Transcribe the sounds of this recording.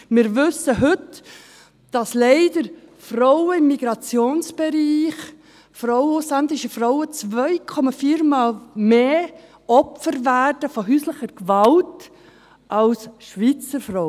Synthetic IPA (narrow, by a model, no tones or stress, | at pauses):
mɪɾvɵsəɦʏt | d̥ɑslɛɪd̥əɾfɾɔʊəɪmːiɡ̥ɾɑt͡sjoːnsb̥ɛɾiːχ | fɾɔʊwuslændɪʃəfrɔʊət͡svœʏkʰɔmɑfiːɾmɑːlmeː | ɔpfəɾvæːrd̥əfɔɦyːsləχəɾkvɑlt | ʔɑlsʃʋit͡səɾfɾɔ